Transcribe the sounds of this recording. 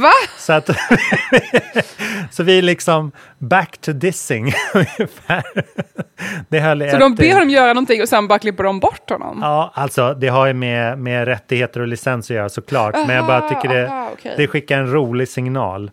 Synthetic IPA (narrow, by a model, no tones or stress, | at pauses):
vasɔat̪ | sɔvɪælɪksɔm | bækt̪ʰɵd̪ɪsɪŋɵnəfæː | d̪̥ɛɦœlːɛɔd̪ɔd̪ɪhaɖ̪ɔmjœːɾanɔnt̪ɪŋːɔsɛnbɑːɾaklɪpːəɖɔmbɔʈːhɔ̰nːɔ̰mɑːalt̪sɔd̪ɛɦaɾjəmɛmɛɾɛt̪ːɪɡheːt̪əɾɔlɪsɛnsɔjœːɾasɔkʰlɑːʈmɛnjaɡbɑːɾat̪ʰʏkːəɖɛd̪ɛɧɪkːaɾɛnɾuːlɪɡsɪŋnɑ̰ːl